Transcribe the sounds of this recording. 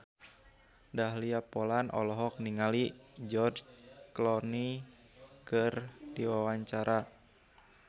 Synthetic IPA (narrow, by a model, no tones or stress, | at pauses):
daɦliapɔlanʔɔ̰lɔɦɔk̚niŋalid͡ʒɔrd͡ʒklɔni | kɨrdiwawaɲt͡ʃaɾʔa